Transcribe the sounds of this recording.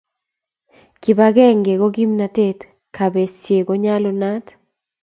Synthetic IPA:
ki˨ba˦ɡɛ˦ŋɡe˨ɡo˦ɡi˦mna˨te˦t | kʰa˨be˨sje˨ɡo˨ɲa˦lɔ˦na˦t

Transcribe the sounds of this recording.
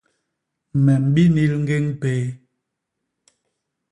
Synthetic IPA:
mɛ˨m̩˨ɓi˦ni˦lŋ̩˦ɡe˦ŋpe˨˦

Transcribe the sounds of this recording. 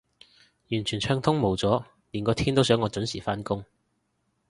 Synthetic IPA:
jyː˨˩nt͡ʃʰyː˨˩t͡ʃʰœː˧ŋt̪ʰʊ˥ŋmo˨˩wt͡sɔː˨˥ | liː˨˩nkɔː˧t̪ʰiː˥nt̪o˥wsœː˨˥ŋːɔː˨˧t͡ʃɵ˨˥nsiː˨˩faː˥nkʊ˥ŋ

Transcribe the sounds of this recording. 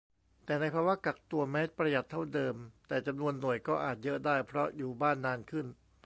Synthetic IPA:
t̪ɛː˨˩na˧jpʰaː˧wa˦˥ka˨˩k̚t̪u˧ɐmɛː˦˥pɾa˧ja˨˩t̪ʰːa˥˩wdɤː˧mt̪ɛː˨˩t͡ɕa˧mnu˧ənːu˨˩əjkɔː˥˩ʔaː˨˩t̪̚jɤ˦˥ʔdaː˥˩jpʰɾɔ˦˥juː˨˩baː˥˩nːaː˧nkʰɯ˥˩n

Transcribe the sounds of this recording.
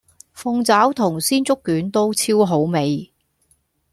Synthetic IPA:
fʊ˧ŋt͡saː˨˥wt̪ʰʊ˨˩ŋsiː˥nt͡sʊ˥kːyː˨˥nt̪o˥wt͡sʰiː˥wɦo˨˥wme˨j

